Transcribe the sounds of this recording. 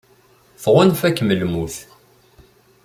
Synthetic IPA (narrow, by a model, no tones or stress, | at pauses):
θʁʊnfækːməlmuθ